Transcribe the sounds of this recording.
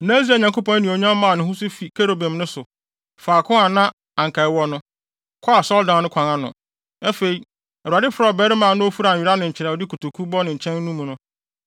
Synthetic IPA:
nã˦s̬i˦a˨ɲã˨ŋko˦pɔ̃˦n˦nĩ˨o˨ɲã˦m˦mːã˨nɪ̃˨ɦʊ̃˦sʊ˦fi˨kʰe˦ɾo˨bɛ̃˨mnʊ̃˦sʊ˨ | faː˨kʰʊ̃˦a˨nã˦ | ã˨ŋ̩˨kʰa˨ɪ˨wɔ˦nʊ̃˦ | kʰɔ˦a˨sɔ˦ldã˨nʊ̃˦kʷʰã˨ŋã˦nʊ̰̃˨ | ɛ˦fe˨i˨ | ɛ˨u˨a˨dɪ˦fʊ˨ɾa˨bɛ˦ɾɪ˦mã˨nʊ̃˦o˦fu˦ɾa˨ɥi˨ɾa˦nʊ̃˨ɲ̩˨t͡ɕʰɪ˨ɾɛ˨ɔ˨dɪ˦kʰu˨tʰu˨kʰu˦bɔ˦nɪ̃˨ɲ̩˨t͡ɕʰɛ̃˦n˦nũ˦mũ˨nʊ̃˦

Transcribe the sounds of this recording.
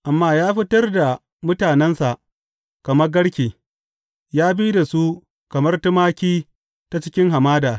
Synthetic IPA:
ʔa˨mːaː˦jaː˦ɸɪ˦tɐ˦rda˨ | mʊ˦taː˨nɛ˦nsa˨ʔ | kɐ˨mɐ˦rɡɐ˦ɽkʲiː˨ | jaː˦bi˦da˨su˦ | kɐ˨mɐ˦rtʊ˦maː˦kʲiː˦ | ta˦t͡ʃɪ˦kʲɪ˦ŋɦa˨maː˦daː˨

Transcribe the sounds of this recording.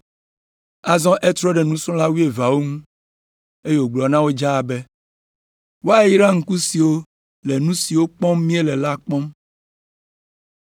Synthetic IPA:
a˨zɔ̃˦ʔe˦t̪ɾɔ˦ɖɛ˨nũ˦sɔ̃˦la˦wu˦e˨va˨wo˦ŋũ˦ | e˦je˦wo˨ɡ͡blɔ˨nã˦wo˦d͡ʒa˦˨be˦ | wo˦a˦ji˦ɾa˦ŋ̩˦ku˦si˨wo˦ | le˨nũ˦si˨wo˦k͡pɔ̃˦mmĩ˦e˦lɛ˨la˦k͡pɔ̃˦m

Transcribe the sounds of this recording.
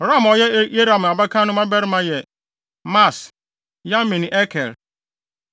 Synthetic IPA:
ɾa˦mɔ˨jɛ˦e˦ɾa˨m˨a˨ba˦kʰã˦nʊ̃˦mã˦bɛ˦ɾɪ˦mã˦jɛ˨ | ma˦˨s | jã˦m˦mĩ˨nĩ˨ʔɛ˦kʰɛ˨ɾ

